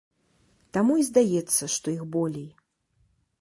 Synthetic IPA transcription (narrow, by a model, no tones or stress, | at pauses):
t̪amuizd̪ajɛt̪sːɐʂt̪ɔixbɔlʲɛj